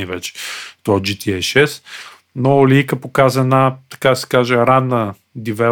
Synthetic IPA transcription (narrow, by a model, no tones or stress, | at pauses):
ivɛt͡ʃɛ̥t̪ɔd͡ʒit̪iɛʃɛs | noliikəpokazəɛnat̪ɐ̥kad̪ɐsɛ̥kaʒɛɾad̪nə | d̪ivɛ